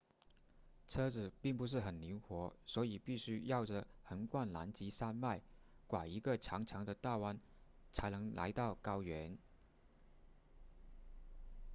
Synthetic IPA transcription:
t͡sʰɤ˥d͡zɹ̩˨˩pi˥˩ŋpu˧˥ʂ̬ɻ̩˥˩xə˨˩nli˧˥ŋxwɔ˧˥swɔ˧˥i˨˩pi˥˩ɕy˥jɑ˥˩ʊʈ͡ʂə˨˩xə˧˥nkwa˥˩nla̰˧˥nt͡ɕi˧˥sa˥nma˥˩ɪ | kwa˨˩i˧˥ɡə˧˨ʈ͡ʂʰjɑ˧˥ŋʈ͡ʂʰɑ˧˥ŋd̪ə˧t̪a˥˧wa˥n | t͡sʰa˧˥ɪnɤ˧˥ŋlʔa̰˧˥ɪt̪ɑ˥˩ʊkɑ˥ʊɥɛ˧˥n

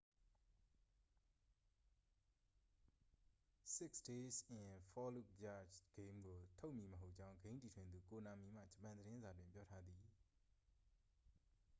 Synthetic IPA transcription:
sɪ˦˨ksde˦sɪ̃˨fɔ˦lu˦˨k̚d͡ʑa̰˦˨t͡ɕɡ̥ẽ˦mɡo˨tʰo˦ʊʔmji˦˨məɦo˦ʊʔt͡ɕã˦ʊ̃ŋɡẽ˦nti˨tʰwɪ̃˨nd̪u˨ko˨nã˨mi˨m̥ä̰˦˨d͡ʑəpã˨nd̪əɾɪ̃˦nza˨dwɪ̃˨mpjɔ˦tʰa˦d̪ði˨

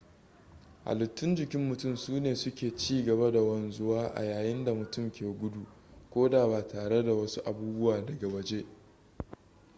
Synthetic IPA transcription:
ʔa̰˨lʊ˨tːʊ˦nd͡ʒɪ˨kʲɪ˦mːʊ˨tʊ˦˨msuː˦neː˨sʊ˦kʲeː˨t͡ʃiː˦ɡɐ˨ba˦da˨wɐ˦nzʊ˦waː˦ʔa̰˨jaː˨jɪ˦nda˨mʊ˨tʊ˦˨mkʲeː˨ɡʷʊ˦du˨ʔ | kʷoː˦daː˨baː˨tʰaː˨ɽe˦da˨wɐ˦su˦ʔa˨buː˦bʊ˦waː˨dɐ˨ɡɐ˨wɐ˨d͡ʒe˦ʔ

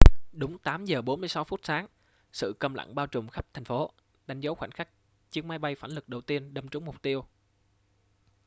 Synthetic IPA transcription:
ɗʊ˨˦ŋ͡mt̪aː˨˦mzəː˨˩ɓo˨˦nmɨ˧əsa˨˦wfu˦˥t̚saː˨˦ŋ | sɨ̰˧˨kə˧mla̰˧˨ŋɓaː˧wt͡ɕʊ˨˩wŋ͡mxa˦˥p̚t̪ʰɛ˨˩ŋ̟fo˨˦ | ɗa˨˦jŋ̟zə˨˦wxwa̰˧˩ŋ̟xa˦˥k̚ | t͡ɕi˨˧əŋmaː˧jɓa˧jfaː˧˩nlɨ˨˩k̚ɗə˨˩wt̪i˧ənɗə˧˩mt͡ɕʊ˨˦ŋ͡mmʊ˨˩k͡p̚t̪i˧əw

